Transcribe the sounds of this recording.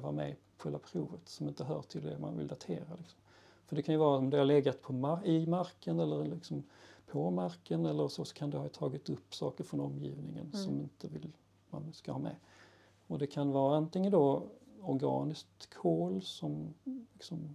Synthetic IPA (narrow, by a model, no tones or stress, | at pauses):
vaɾmɛ̰ | ɧɛlvapʰɾuːvət̪sɔmɪnt̪əɦœːʈʰɪld̪ɛ̰ma̰nvɪ̰ld̪at̪ʰeːɾalɪksɔ̥m | fœɖɛkʰanjɵvɑːɾaɔmd̪ɛhaɾlɛɡːat̪pʰɔaɪmaɾkənɛlːəɾlɪksɔmpʰɔmaɾkənɛlːəɾsoːsɔ̥kʰand̪ɛhɑt̪ʰɑːɡɪt̪ɵpːsɑ̰ːkəɾfɾɔnɔmːjḭːvnɪŋə̰nsɔmɪnt̪ʰəvɪl | ma̰nskahɑːmɛ̰ | ɔd̪ɛkʰanvɑːɾaant̪ɪŋːənd̪ɔɔɾɡɑ̰ːnɪskt̪kʰːoːlsɔmlɪksɔm